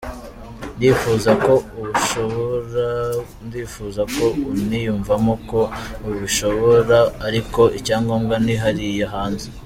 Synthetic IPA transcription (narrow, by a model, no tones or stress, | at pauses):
ndiːfuːzako | ndiːfuːzako̞unijuːɱvamoko̞uβuʃo̞βoɾaːɾiko̞ʔicaːŋɡoːŋɡaniɦaɾijeɦaːnze